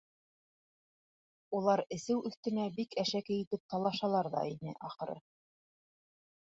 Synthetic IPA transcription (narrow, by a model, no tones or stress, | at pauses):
ulˠɑɾɘ̆sɘwʔɵ̆θt̪ɘ̆næbikæʃækɘ̆jɘ̆t̪ɘp̚t̪ɑlˠɑʃɑlˠɑɾðɑ̰inɘ̰ʔɑχɤ̆ɾɤ̰